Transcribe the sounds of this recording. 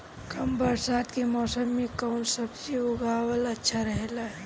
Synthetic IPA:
kəmbəɾsad̪kemɔːsəmːekəʊnsəbseʊɡʱawələtːʃʰaɾəɦelaɦɛ

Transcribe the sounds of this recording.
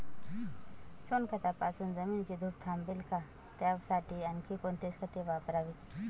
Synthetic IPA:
sonkʰət̪apaːsuːnzəmiːnt͡ɕid̪ʱuːp̚t̪ʰaːmbilka | t̪jaʋsaːʈʰiɐnkʰikont̪eskʰət̪eʋapɾaʋit̪

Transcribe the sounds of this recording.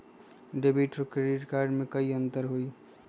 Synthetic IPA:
ɖebiʈokɾeɖiʈkaːɾɖmẽkəiə̃nt̪əɾɦoi

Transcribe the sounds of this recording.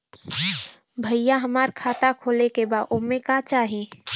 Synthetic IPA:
bʱɐijaɦɐmaːɾkʰaːt̪akʰoːlekebaːʔʊmẽkaːt͡ʃaːɦẽː

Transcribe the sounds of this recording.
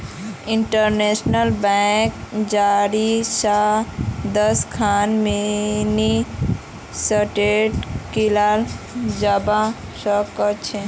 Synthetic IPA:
iɳʈəɾnesnəlbɛkd͡ʒaɾisa | d̪əskʰanmini | səʈeʈkilal | d͡ʒəba | səkət͡ʃʰe

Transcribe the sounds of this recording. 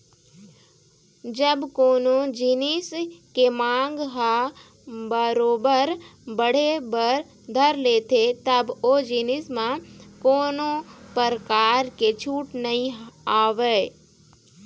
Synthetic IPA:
d͡ʒəbkoːnod͡ʒinɪskemãːŋɡɦa | bəɾoːbəɾbəɽ̤ebəɾ | d̪ʱəɾleːt̪ʰet̪əboːd͡ʒinɪsmãkoːnopəɾkaːɾket͡ʃʰuːʈnəɦĩaːʋeː

